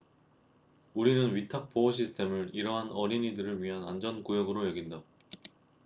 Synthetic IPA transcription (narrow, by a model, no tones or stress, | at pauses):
uɾinɯnɥitʰak̚p͈oʌɕʰisʰɯ̥tʰe̞mɯɭiɾʌɦanʌɾiɲidɯɾɯɭɥiɦanand͡ʑʌnkujʌɡɯɾojʌɡinda